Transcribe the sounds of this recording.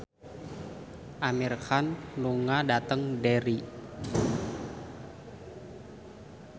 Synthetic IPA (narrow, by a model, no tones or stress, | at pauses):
ʔamirkanluŋadat̪əŋdɛɾi